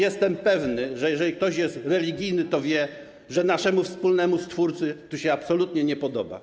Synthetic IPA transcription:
jɛst̪ɛmpɛvnɘʐɛjɛʐɛlʲik̚t̪ɔɕjɛst̪ɾɛlʲiɡʲijnɘt̪ɔvʲjɛ | ʐɛnaʂɛmufspulnɛmust̪fuɾt̪sɘt̪uɕɛapsɔlut̪ɲɛɲɛpɔd̪ɔba̰

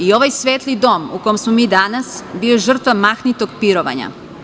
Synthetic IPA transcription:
io̞ʋajsʋeːt̪lid̪o̞mukojemsmomiːd̪anasbioʒr̩t̪ʋamaxnit̪o̞ɡpiɾoʋa̰ɲa̰

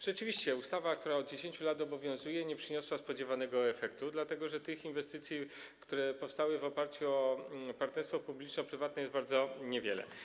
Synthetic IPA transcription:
ʐ̥ɛt͡ʂɘvʲiɕt͡ɕɛust̪avak̚t̪uɾaɔd̪̚d͡ʑeɕeɲt͡ɕulat̪ɔbɔvʲjɔ̃w̃zujɛɲɛpʂɘɲɔswaspɔd͡ʑɛvanɛɡɔɛfɛkt̪ud̪lat̪ɛɡɔʐɛt̪ɘxinvɛst̪ɘt̪sʲjikt̪uɾɛpɔfst̪awɘvɔpaɾt͡ɕuɔpaɾt̪nɛɾst̪fɔpublʲit͡ʂnɔpɾɘvat̪nɛjɛsd̪baɾd̪zɔɲɛvʲjɛlɛ̰

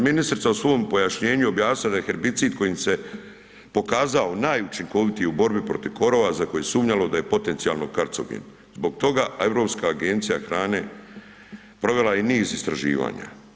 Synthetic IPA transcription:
minist̪ɾit̪sausʋo̞ːjmpo̞jaʃɲe̞ːɲuo̞bjaːsnilad̪ajexe̞ɾbit̪siːd̪̚ko̞jimse̞ | po̞kaːzao̞naːjut͡ʃiŋko̞ʋit̪ijeubo̞ɾbipɾo̞t̪iʋko̞ɾo̞ːʋazako̞jesuːmɲalo̞d̪aje̞po̞t̪e̞nt̪ijalˠnokaɾt̪so̰ɡḭn | zbo̞ɡ̚t̪o̞ɡae̞vɾo̞ːpskaːɡe̞nt̪sijaxɾaːne̞ | pɾo̞ʋe̞lainiːzist̪ɾaʒḭːʋa̰ːɲa̰

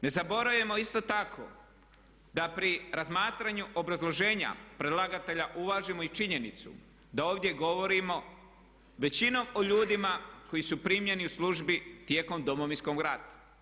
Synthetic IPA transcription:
ne̞zabo̞ɾaje̞mo̞ist̪o̞t̪akʰo̞̰ | d̪apɾiɾazmaːt̪ɾaɲuʔo̞bɾazlˠo̞ʒe̞ːɲa̰pɾed̪laɡat̪e̞ʎaʔuʋaːʒimo̞it͡ʃiɲe̞nit̪sṵ | d̪ao̞ːʋd̪ʲje̞ɡo̞ʋo̞ɾimo̞ | ʋe̞t͡ɕino̞mo̞ʎuːd̪imako̞jisupɾimje̞niuslˠuʒbit̪je̞ːko̞md̪o̞moʋinsko̞mɡɾat̪ḁ

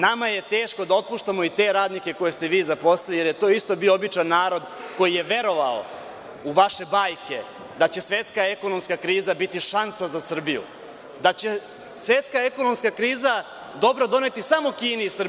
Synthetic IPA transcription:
namaje̞t̪e̞ːʃko̞d̪ao̞t̪̚puʃt̪amo̞it̪e̞ɾaːd̪nike̞ko̞je̞st̪e̞ʋiːzapo̞slelije̞ɾje̞t̪o̞ːist̪o̞bioobit͡ʂanːaːɾo̞d̪ | ko̞jije̞ʋe̞ɾo̞ʋao̰ | uʋaʃe̞baːjkʰe | d̪at͡ɕe̞sʋe̞t̪skae̞ko̞nomskakɾiːzabit̪iʃansazasr̩bijṵ | d̪at͡ɕe̞ | sʋe̞t̪skaeko̞nomskakɾiːza | d̪o̞bɾad̪o̞ne̞t̪isamo̞kiːneisr

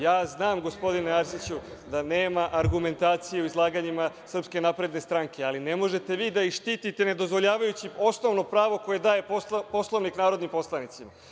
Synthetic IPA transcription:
jaːznaːmɡo̞spo̞d̪ineaɾsit͡ɕud̪ane̞ːmaʔaɾɡume̞nt̪aːt̪sijeuizlˠaːɡaɲimasr̩pske̞napɾe̞d̪ne̞st̪ɾaŋke̞aline̞mo̞ʒe̞t̪e̞ʋiːd̪aiʃt̪iːt̪it̪e̞ne̞d̪o̞zʋo̞ʎaːʋajut͡ɕio̞sno̞ʋno̞pɾaːʋo̞ko̞je̞d̪aːje̞popo̞slˠoʋniknaːɾo̞d̪nimpo̞slˠanit̪sima

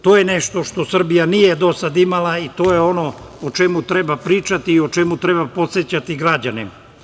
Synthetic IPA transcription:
t̪oːjeneʃt̪o̞ʃt̪o̞sr̩bijanije̞d̪o̞sad̪imalait̪o̞ːjeo̞no | ot͡ʃemut̪ɾebapɾiːt͡ʃat̪iːot͡ʃemut̪ɾebapo̞t̪set͡ɕat̪iɡɾad͡ʑanim

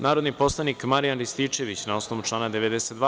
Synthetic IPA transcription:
naːɾo̞d̪nipo̞slˠanikmaɾijanɾist̪it͡ʃe̞ʋit͡ɕnao̞sno̞ʋut͡ʂlˠaːnad̪eʋed̪eset̪d̪ʋa

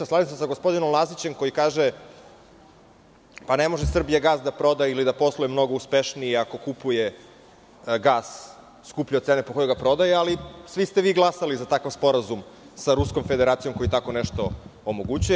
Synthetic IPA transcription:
slad̪isasaɡospo̞d̪inomlˠazit͡ɕe̞mko̞jikaːʒe | panemo̞ʒesr̩bijaɡaːsd̪apɾo̞d̪ailid̪apo̞slˠojemno̞ɡo̞uspeʃniiako̞kupuje | ɡaːs | skupʎet̪seːnepoko̞jojɡapɾo̞d̪ajealisʋist̪eʋiːɡlˠasalizat̪akaʋspo̞ɾazum | saɾusko̞mfed̪eɾaːt̪sijo̞mko̞jit̪ako̞neʃt̪o̞omo̞ɡut͡ɕuje

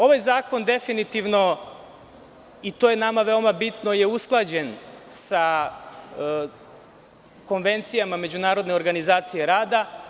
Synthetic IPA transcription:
o̞ʋajzaːko̞nd̪e̞finit̪iʋno̞ | it̪ojenamaʋe̞omabit̪no̞jeusklˠad͡ʑensa | ko̞nʋe̞nt̪sijamame̞d͡ʑunaːɾo̞d̪ne̞oɾɡanizaːt̪sijeɾaːd̪a

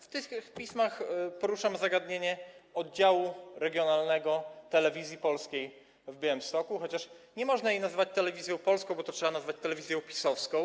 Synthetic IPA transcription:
ft̪ɘxxpʲismaxpɔɾuʂamzaɡad̪ɲeɲɛɔd̪̚d͡ʑawuɾɛɡʲjɔnalnɛɡɔt̪ɛlɛvʲizʲjipɔlskʲej | vbʲɛwɘmst̪ɔkuxɔt͡ɕaʂɲɛmɔʐnajejnazvat͡ɕt̪ɛlɛvʲizʲjɔ̃w̃pɔlskɔ̃w̃bɔt̪ɔtʂɛbanazvat͡ɕt̪ɛlɛvʲizʲjɔ̃w̃pʲi̥sɔfskɔ̃w̃

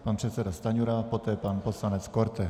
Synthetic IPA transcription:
panpr̥ɛt̪sɛdast̪aɲuɾapot̪ɛːpanposlanɛt͡skoɾt̪ɛ

